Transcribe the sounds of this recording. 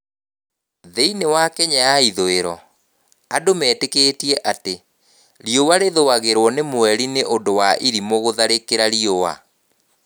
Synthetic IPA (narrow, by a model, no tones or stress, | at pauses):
ðeinewakɛɲajaiðoeɾɔ | adomɛːteketiɛʔate | ɾjowaɾeðoaɣeɾwɔnemwɛɾineʔondowaʔiɾimoɣoðaɾekeɾaɾiowa̰